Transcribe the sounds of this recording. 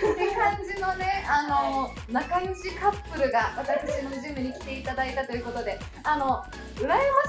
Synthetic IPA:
ɯkãɲd͡ʑino̞ne̞ano̞ | nakaɲiɕikapːɯ̟ɾɯ̟ɡaat̪akɯ̥t͡ɕimoʑɨ̃ːmbʲiɲ̟ikʲi̥t̪e̞it̪ad̪ait̪at̪o̞jɯ̟ko̞t̪o̞d̪e̞ | ano̞ | ɯ̟ɾaema

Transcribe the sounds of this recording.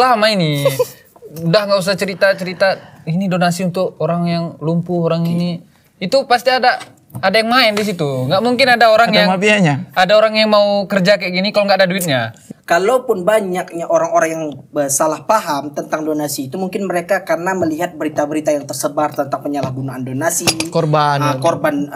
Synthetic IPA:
lamaini | udahŋɡaʔus̬at͡ʃəɾit̪at͡ʃəɾit̪ainidonasiunt̪ʊk̚oɾaŋjaŋlumpuhoɾaŋini | it̪upast̪iadaː | dajaŋmaɪndis̬it̪uŋɡaʔmuŋkɪnadaoɾaŋjaŋapiaɲaadaoɾaŋjaŋmaukərd͡ʒakaɡinikaloŋɡaːdaduɪt̪̚ɲakalopʊnbaɲak̚ɲaʔoɾaŋoɾaŋjaŋəsalahpaɦamt̪ənt̪aŋdonasiːt̪umuŋkɪnməɾekakarənaməliɦat̪̚bəɾit̪abəɾit̪ajaŋt̪ərsəbart̪ənt̪aŋpəɲalahɡunaandonasikorbankorban

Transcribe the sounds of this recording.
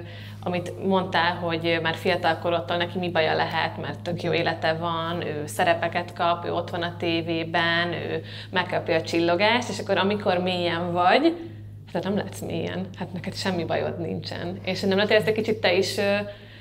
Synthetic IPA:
ɒmit̪mo̞nt̪aːlɦo̞ɟmaːrfijɒt̪ɒlkoɾot̪ːoːlnɛkimibɒjɒ̰lɛɦɛ̰t̪mɛ̰rt̪ːøkjoːeːlɛt̪ɛvɒnøːsɛɾɛpɛkɛt̪kɒpø̰ːo̞t̪ʋɒnɒt̪eːveːbɛnø̰ː | mɛkːɒpiɒt͡ʃilːo̞ɡaːʃt̪eːʃɒkːo̞ɾɒmikʰo̞rmiijɛɱvɒɟ | t̪ːɛnɛmlɛ̰ɦt̪smḭjɛ̰nhat̪nɛkɛt̪ʃɛmːibɒ̰jo̰d̪nḭnt͡ʃɛ̰neːʃnɛmlɛnt̪elɛst̪ɛckit͡ʃit̪ːɛiʃøː

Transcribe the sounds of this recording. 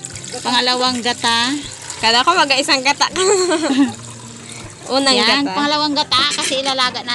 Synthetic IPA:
pɐŋɐlɐwaŋɡat̪a | kad̪akomɐɡaʔɪsaŋɡat̪aʔkɐ | ʔuːnɐŋanpɐŋɐlɐwaŋɡɐt̪akɐsɛɪlalaːɡaʔna

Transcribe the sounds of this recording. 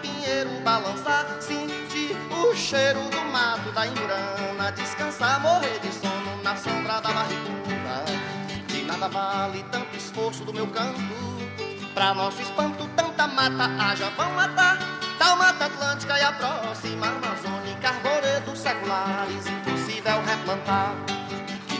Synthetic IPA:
pĩɲejɾʊbalɐ̃saɾ | sĩ | t͡ʃiʊʃejɾʊd̪ʊmat̪ʊd̪ɐĩmbɾɐ̃nɐd͡ʒiskɐ̃saɾmoɦeɾd͡ʒɪsõnʊnɐsɐ̃d̪ɾad̪ɐmaɾit̪uɾɐ̰ | d͡ʒɪnad̪ɐvalɪt̪ɐ̃nt̪ʊisfoɾsʊd̪ʊmewkɐ̃pʊ | pɾɐnɔsʊispɐ̃nt̪ʊt̪ɐ̃nt̪ɐmat̪ɐʔaʒɐvɐ̃w̃mat̪at̪awmat̪at̪lɐ̃t͡ʃikɐiapɾɔsimaɾmazõnikaɾboɾed̪ʊsɛkulaɾɪzĩposivɛwɦeplɐ̃nt̪a

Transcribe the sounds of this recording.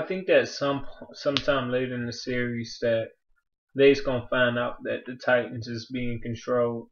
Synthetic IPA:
aɪθɪ̃ŋk̚ðɨtsʌ̃mpʰsʌ̃mtʰãɪ̃mleɪɾɨ̃nɨsɪɹiz̥ðɨt̚ | ðeɪzɡʌ̃nəfãɪ̃ndaʊt̪̚ðɨt̪̚ðɨtʰaɪʔn̩zɨzbiɪ̃ŋkɨ̃n̩tʰɹ̥oʊlˠd̥̚

